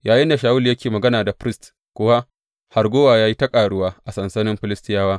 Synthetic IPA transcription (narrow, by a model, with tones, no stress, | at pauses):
jaː˨jɪ˦nda˨ʃaː˦wʊ˦ljɐ˦kʲeː˨mɐ˨ɡɐ˦naː˨da˨ɸɾɪ˦st | kʷʊ˦wa˦ | ha˨rɡʷoː˦waː˨jaː˦ji˦tɐ˦kʼaː˨ɽʊ˦waː˦ʔa˨sɐ˨nsɐ˦nɪ˦mɸɪ˦lɪ˦stɪ˦jaː˦waː˦